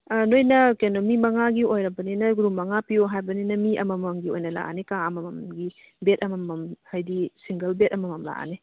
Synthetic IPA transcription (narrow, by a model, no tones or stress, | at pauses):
nojnɐkenomimɐŋaɡiojɾɐbɐninɐɡɾumːɐŋapioɦajbɐninɐmiʔɐ̰mɐmɐŋɡiojnɐla̰ʔa̰nikaɐmɐmɐmɡi | bet̚ɐmɐmɐmhajdisiŋɡɐlbet̚ɐmɐmɐmla̰ʔa̰ni